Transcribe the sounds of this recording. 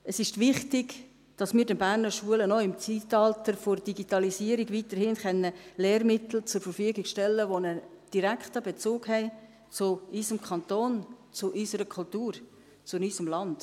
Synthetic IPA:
əsɪʃtʋɪχtɪɡ | d̥ɑsmɪːɾdɛnbæːrnəɾʃuələnɔɪmt͡sitɑltəɾfoɾd̥iɡitɑlisiːəɾiɡʋiːtəɾhɪːnχɛnːəleːɾmɪtl̩t͡sʊɾfəɾfyəɡɪɡʃtɛlːəʋonəd̥iɾæktəbet͡soːɡhɛɪ | t͡sʊysəmkʰɑnt̪oːnt͡sʊʔysəɾəkʰultuːɾ | t͡sʊnysəmlɑnd̥

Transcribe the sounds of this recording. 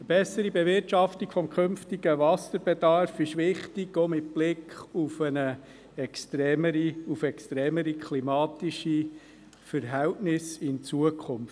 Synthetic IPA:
əbɛsəɾibɛvɪɾtt͡ʃɑftikfɔmkʰʏmftiɡəvɑsəɾbɛdɑrfɪʃʋɪχtɪɡomɪt̚b̥lɪkχufənə | ɛkstɾɛːməɾiufɛkstɾɛːməɾikʰlimɑːtiʃi | fəɾɦɛltnɪsɪnt͡suəkʰχʊmf

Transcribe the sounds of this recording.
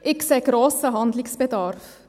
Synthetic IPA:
ʔɪkseːɡɾoːsəɦɑnd̪lɪksb̥ədɑɾf

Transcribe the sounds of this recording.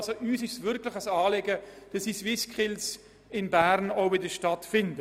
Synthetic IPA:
soʔyːsɪʃsvʏɾkləχəsɑːleɡəd̥ɑsisʋɪskʰχɪls | ɪnbæːɾnoʊbɪdəʃtɑtfɪndə

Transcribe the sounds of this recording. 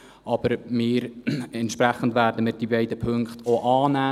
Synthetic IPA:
ʔɑb̥əɾmɪːɾɛnt̪ʃpɾɛχəndvæːɾdəmɪːɾd̥ibɛɪdəpʰɵŋkχtoʔɑːnæː

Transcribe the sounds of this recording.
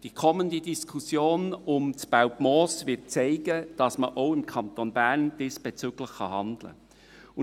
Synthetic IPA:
d̥ikʰɔməndidiskʰusjoːnʊmt͡sb̥aʊpmɔːsvɪt̚t͡sɛɪɡəd̥ɑsməʔoʊɪmkʰɑnt̪onbæɾnd̥isb̥ɛt͡syɡ̥ləχχɑ̰hɑndlə̰ | ʊ

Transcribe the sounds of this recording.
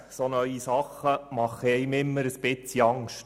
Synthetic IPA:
sonœʏisɑχːəmɑχːɛjmɪmːəɾəsb̥ɪt͡siɑŋʃt

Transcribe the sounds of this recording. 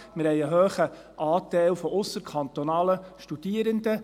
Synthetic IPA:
mɪɾhɛɪəɦøːχə | ʔɑːtɛɪlfɔʔʊsːəɾkʰɑnt̪ɔnɑːləʃtud̥iəɾənd̪ə

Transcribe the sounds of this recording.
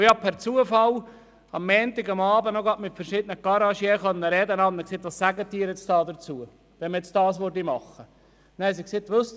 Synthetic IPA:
jɑpʰæɾt͡suəfɑl | ɑmːɛːnt̪ɪɡɑmɑːbənɔɡɑtmɪt̪fəɾʃɪd̪ənəɡ̥ɑɾɑʃjɛːχœnːəɾɛd̪ənɑnməkseːt̪ʋɑssæɡət̪̚ːiːɾjɛt͡sd̥̪ɑːd̪əɾt͡suə | ʋɛnməɛt͡sdɑːsʋøɾdimɑχːə | næɪs̬ikset̪ːʋøst

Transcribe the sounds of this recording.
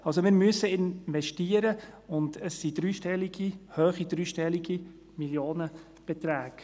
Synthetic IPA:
ɑlsomɪːɾmyəsəɪnvɛʃtiəɾəʊndəsːidɾyːʃtɛlːiɡ̥ihøːχidɾyːʃtɛlːiɡi | miljoːnə | b̥ɛt̪ɾæːɡ̥

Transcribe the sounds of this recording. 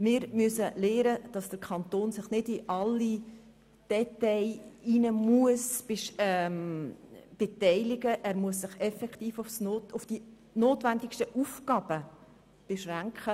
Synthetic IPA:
mɪːɾmysəleːɾəd̥ɑsd̥əɾkʰχɑnt̪oːnsɪχnɪdɪʔɑlːi | d̥ɛtɛɪinəmuəsb̥eʃɛm | b̥ɛt̪ɛɪlɪɡəʔæːɾmuəsːɪχɛfɛkχt̪iːfʊfsnoʊfd̥i | noːtʋændɪkʃtəʔufkɑb̥ə | b̥eʃʁæŋkχə

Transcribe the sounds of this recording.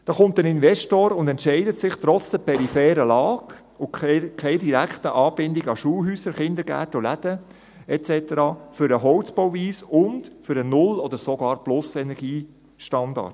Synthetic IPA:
d̪̥ɑːχʊmt̪ənɪnvɛʃtoːɾʊndɛntʃɛɪdətsɪχt̪ɾɔt͡sd̥əpʰɛɾifɛːɾəlɑːk | ʊkkʰɛɪdiɾækχtəʔɑːbɪndɪɡɑʃuːɦyːsəɾχɪnd̪əɾɡæ̰ːtolædə | ɛt͡sɛtəɾɑːfʏɾəɦɔwt͡spɔwviːsʊndfʏɾənʊlɔd̥̪əɾsɔɡɑːɾplʊsɛnɛɾɡ̥iː | ʃtɑndɑ̰ːɾt

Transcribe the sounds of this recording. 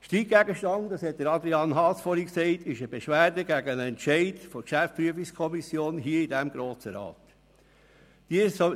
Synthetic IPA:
ʃtiːɡæɡəʃtɑndɑshɛt̚d̥̪əɾɑd̪ɾiɑnɦɑsfɔɾiksɛɪtʰɪʃəbeʃʋæːɾdəɡæɡənɛnʃɛɪdfɔkʃæfpɾyəfikskʰɔmisjoːnɦiəidæmɡɾoːsəɾɑ̰ːt | d̥is

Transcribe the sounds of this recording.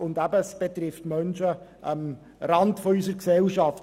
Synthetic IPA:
ʊndæbəsb̥et̪ɾɪftmœnʃəʔəm | ɾɑntfɔysəɾksɛlʃɑft

